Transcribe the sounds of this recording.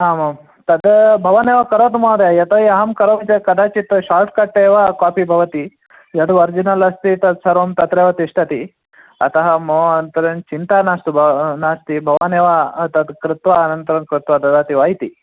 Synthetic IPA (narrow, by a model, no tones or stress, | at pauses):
aːmɐ | t̪ɐd̪bʱɐʋaneːʋɐkɐɾoːt̪umaːd̪ejɐt̪ɐːiɐɦɐmkɐɾoːʋit͡ʃɐkɐd̪ʱaːt͡ʃit̪ɐʃaːɾʈ̚kɐʈːeːʋɐkaːpibʱɐʋɐt̪i | jɐɽuʋɐɾd͡ʒinɐlɐst̪it̪ɐd̪sɐɾoːmt̪ɐt̪ɾeːʋɐt̪iʂʈʰɐt̪i | ɐ̰t̪ɐɦɐmoɐnt̪ɐɾɐnt͡ʃint̪aːnaːst̪ubnaːst̪ibʱɐʋaneːʋɐt̪ɐd̪kɾɪt̪ʋaːnɐnt̪ɐɾɐmkɾɪt̪ʋɐt̪ɐd̪aːt̪iʋaːɦit̪i